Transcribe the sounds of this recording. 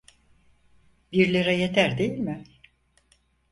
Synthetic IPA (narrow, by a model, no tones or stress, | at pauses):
biɾlʲeɾɛjet̪ʰæɾd̪e̞jilʲmɪ